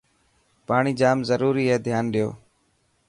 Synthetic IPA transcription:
paːɳ̃iːd͡ʒaːmzəɾuːɾiːɦɛːd̪ʱjaːnɗɪjo̰ː

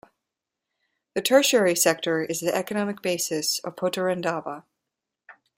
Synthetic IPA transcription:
ðɨtʰɜ˞ʃɛɹisɛk̚tʰə˞ɨzðiʔɛkɨnɑmɨk̚b̥eɪsɨsʌ̰v̥pʰoʊɾəɹɛ̃ndɑvə

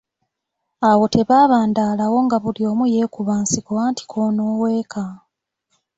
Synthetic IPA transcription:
awo̞tʰe̞βaːβaːndaːlawo̞ŋɡaβulio̞ːmuje̞ːkuβaːnsikoaːnti̥kʰoːnoːwe̞ːkʰa

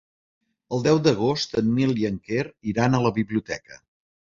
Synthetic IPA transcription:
əlˠd̪ɛwd̪əɣ̞ost̪ənmilˠjəŋkeɾiɾanələβiβliut̪ɛkə

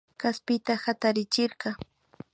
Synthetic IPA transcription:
kaspɪt̪ahat̪aɾɪt͡ʃɪɾɢɑ

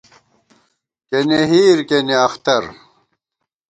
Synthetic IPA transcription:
keneɦiːɾkeneɐxt̪ɐɾ

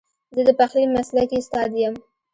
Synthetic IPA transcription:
zəd̪əpaxlimaslakest̪ɑd̪jəm

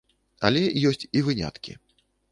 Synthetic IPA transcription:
ɐ̰lʲɛjɔsʲt͡sʲivɨnʲa̰t̪kʲḭ

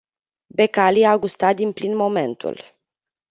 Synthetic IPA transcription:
be̞kaliaɡust̪at̪̚d̪inplinmo̞me̞nt̪ṵl

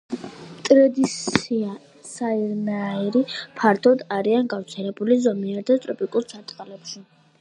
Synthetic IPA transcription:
t̪ʼɾɛd̪isia | saiɾmɛaiɾipʰaɾt̪ʰɔd̪aɾianɡaft̪sʰɛlɛbulizɔmiaɾd̪at̪ʼɾɔpʰʼikʼuɾsʰat̪ʼqʼalɛpʃi

